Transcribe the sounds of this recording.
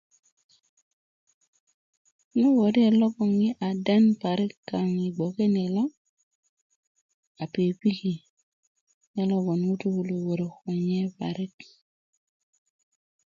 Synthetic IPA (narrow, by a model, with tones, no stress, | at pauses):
nɔ˦wɔ˨di˦e˨lɔ˦kɔ˨ŋji˦ʔa˨dɛ˦npa˨ɾɪ˦kːa˨ŋi˨ɡ͡bɔ˨ke˦ne˨lɔ˦ | a˨pe˨pi˦ki˨ | nɛ˦lɔ˦ɡɔ˨nu˦to˦wu˨lo˨wo˨ɾo˨kɔ˨ɲɛ˦pa̰˨ɾɪ˦k